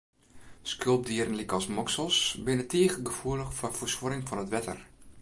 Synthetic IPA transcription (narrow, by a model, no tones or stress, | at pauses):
skølˠb̚diəɾənlikɔlˠsmɔksəlˠsbɪnətʰiːɣəɡəfuələxfɔfosʋoɾɪŋfɔnətʋɛtə̰r